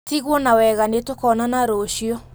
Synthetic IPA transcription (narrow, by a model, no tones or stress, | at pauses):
tiɣwɔnawɛɣanetokɔnanaɾoɕiɔ